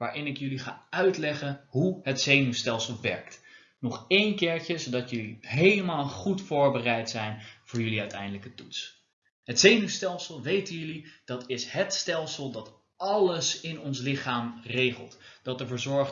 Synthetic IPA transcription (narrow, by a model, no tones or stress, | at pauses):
ʋaːɹʔɪnɪkjɵliχa̰ːœɥtlɛχənɦuɦətsejnystɛlˠsəlˠʋɛ̰ɹkt | nɔχejnkɪːɹcəzodɑtjɵliɦejləmaːlˠχutfʊːɹbərɛjtsɛjnv̥ʊːɹjɵliœɥtɛjndələkətuts | ɦətsejnystɛlˠsəlˠʋejtənjɵlid̥ɑtɪshətstɛlˠsəlˠdɑt | ɑləsɪnɔnslɪχaːmrejχəlˠtd̥ɑtəɹvːɹzɔɹχ